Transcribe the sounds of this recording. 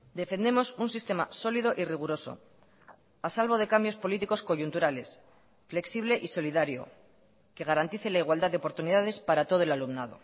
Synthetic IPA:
d̪e̞fe̞nd̪e̞mo̞sunsist̪e̞ma̰so̞lið̞o̞ʔiriɣ̞uɾo̞so̞̰ | asalβo̞ð̞e̞kambjo̞spo̞lit̪iko̞sko̞ʝunt̪uɾale̞s | fle̞ksiβ̞le̞ʔiso̞liðaɾjo̞̰ | ke̞ɣ̞aɾant̪iθelaiɣwald̪aðeo̞po̞ɾt̪uniðað̞e̞spaɾat̪o̞ð̞oelalumnað̞o̞̰

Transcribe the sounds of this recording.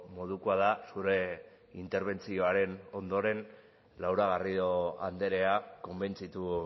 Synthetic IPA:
mo̞ðukoað̞asuɾe̞ | int̪e̞ɾβ̞e̞nt͡sio̞aɾe̞no̞nd̪o̞ɾe̞n | lawɾaɣ̞ariðo̞a̰nd̪e̞ɾe̞ako̞mbe̞nt͡sit̪u

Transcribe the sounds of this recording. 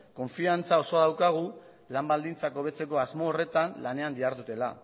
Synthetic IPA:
ko̞ɱfiant͡sao̞so̞ðawkaɣ̞u | lambald̪int͡sako̞β̞e̞t͡se̞ko̞azmo̞ːre̞t̪anlane̞and̪iaɾðut̪e̞la

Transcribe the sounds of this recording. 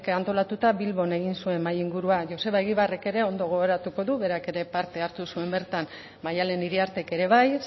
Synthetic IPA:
kant̪o̞lat̪ut̪aβilβo̞ne̞ɣ̞insue̞mːajiŋɡuɾuaʝo̞se̞βaeɣiβare̞ke̞ɾe̞o̞nd̪o̞ɣ̞oɣoɾat̪uko̞ðuβe̞ɾake̞ɾe̞paɾt̪e̞aɾt̪usue̞mbe̞ɾt̪an | majale̞niɾiaɾt̪e̞ke̞ɾe̞β̞aj

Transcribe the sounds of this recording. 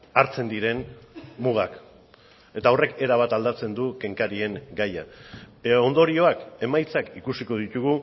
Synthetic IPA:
aɾt͡se̞nd̪iɾe̞nmuɣ̞ak | e̞t̪aore̞ke̞ɾaβ̞at̪ald̪at͡se̞nd̪uke̞ŋkaɾie̞ŋɡaja̰ | o̞nd̪o̞ɾio̞ake̞majt͡sakikusiko̞ðit̪uɣu

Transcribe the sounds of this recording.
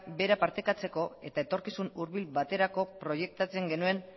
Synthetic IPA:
be̞ɾapaɾt̪e̞kat͡se̞ko̞e̞t̪ae̞t̪o̞ɾkisunuɾβilβat̪e̞ɾako̞pɾo̞je̞k̚t̪at͡se̞ŋɡe̞nue̞n

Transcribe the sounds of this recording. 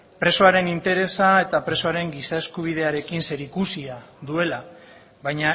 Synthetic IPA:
pɾe̞so̞aɾe̞nint̪e̞ɾe̞sae̞t̪apɾe̞so̞aɾe̞ŋɡisae̞skuβ̞ið̞e̞aɾe̞kinse̞ɾikusiaðue̞la | βajɲa

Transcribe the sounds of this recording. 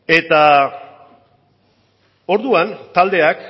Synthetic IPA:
e̞t̪a | o̞ɾðuant̪ald̪e̞ak

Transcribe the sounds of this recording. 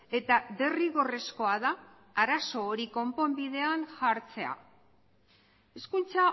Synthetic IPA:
e̞t̪aðe̞riɣo̞re̞sko̞aðaː | ɾaso̞ːɾiko̞mpo̞mbiðe̞aŋxaɾt͡se̞a̰ | e̞skunt͡sa

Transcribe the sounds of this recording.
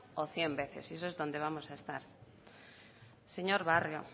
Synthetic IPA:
oθjembeθḛses̬oezðõnd̪eβ̞amosaest̪aɾ | seɲoɾβarjo̰

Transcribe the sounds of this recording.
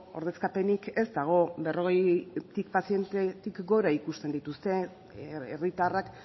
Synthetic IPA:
o̞ɾðe̞skape̞nike̞zd̪aɣ̞o̞be̞ro̞ɣ̞e̞jt̪ikpasije̞nt̪et̪ikɡo̞ɾaikust̪e̞nd̪it̪ust̪e̞ | erit̪arak

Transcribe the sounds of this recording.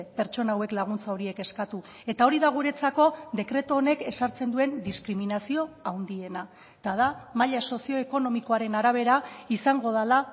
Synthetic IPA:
pe̞ɾt͡ʃo̞naːwe̞klaɣ̞unt͡saoɾie̞ke̞skat̪u | e̞t̪ao̞ɾiðaɣ̞uɾe̞t͡sako̞ðe̞kɾe̞t̪oːne̞ke̞saɾt͡se̞nd̪ue̞nd̪iskɾiminasio̞awnd̪ie̞na | t̪að̞amaʎaso̞sio̞eko̞no̞miko̞aɾe̞naɾaβ̞e̞ɾaisaŋɡo̞ð̞ala

